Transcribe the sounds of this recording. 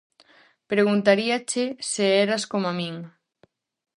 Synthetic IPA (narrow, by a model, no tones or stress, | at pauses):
pɾeɣ̞unt̪aɾiat͡ʃeseeɾaskomamiŋ